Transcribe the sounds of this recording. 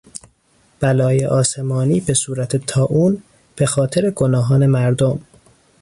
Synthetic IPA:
b̥ælɒːjeʔɒːse̞mɒːniːbe̞suːɾæt̪ʰe̞t̪ʰɒːʔuːn | b̥e̞xɒːt̪ʰe̞ɾe̞ɡonɒːɦɒːne̞mæɾd̪om

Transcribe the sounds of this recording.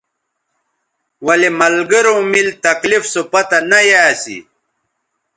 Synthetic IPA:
wɐlemɐlɡɐɾõmilt̪ɐklifsopɐt̪ɐnɐjaːsḭ

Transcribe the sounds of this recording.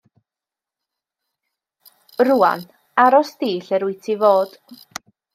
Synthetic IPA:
rua̰n | aɾɔsdiːɬɛɾʊjtʰivoːd̥

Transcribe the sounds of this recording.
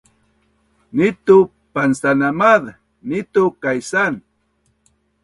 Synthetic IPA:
nɪt̪u | pansanamað | nɪt̪ʊkajsan

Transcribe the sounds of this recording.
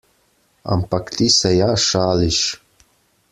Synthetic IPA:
a̰mpʰakt̪ʰʼisajaːʂaːliʃ

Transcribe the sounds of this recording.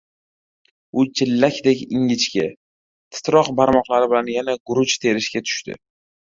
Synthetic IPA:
ʊt͡ʃʰɪlːakʲd̪ekʲɪŋʲɪt͡ʃkʲa | t̪ʰɪ̥t̪ɾɒqbaɾmɒqlˠaɾɪbɪlanjanaɡʊɾʊt͡ʃt̪ʰeɾɪʃkʲat̪ʰʊ̥ʃt̪ɪ̰

